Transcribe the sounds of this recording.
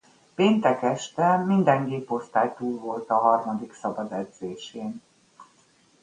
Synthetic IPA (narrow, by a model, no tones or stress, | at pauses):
peːnt̪ɛkɛʃt̪ɛmind̪ɛŋɡeːpo̞st̪aːjt̪uːlvo̞lt̪ɒɦɒrmɒd̪iksɒbɒd̪ɛd̪z̥eːʃeːn